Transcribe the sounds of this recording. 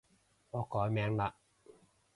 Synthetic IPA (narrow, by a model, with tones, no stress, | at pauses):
ŋɔː˨˧kɔː˨˥jmɛː˨˧˥ŋla˨˧˨ʔ